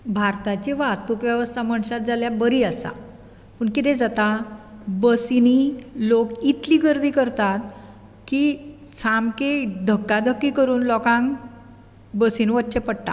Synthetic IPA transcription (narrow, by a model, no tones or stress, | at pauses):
bʱaɾt̪at͡ɕeʋat̪ukʋjaʋəst̪ʰaməɳɕat̪̚d͡zaljabəɾiːəsa̰ | pəɳkit̪ɛ̃d͡zat̪abəsinilokit̪liːɡəɾd̪ʱiːkəɾt̪at̪̚ | kisamked̪ʱəkːad̪ʱəkːikəɾuːnlɔkãŋ | bəsiːnʋət͡ɕepəɽʈ̪a̰